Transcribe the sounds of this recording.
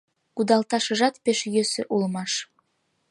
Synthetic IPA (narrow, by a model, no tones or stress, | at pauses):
kud̪ɑlˠt̪ɑʃɤ̆ʒɑt̪peʃjøsɘʔulˠmɑʃ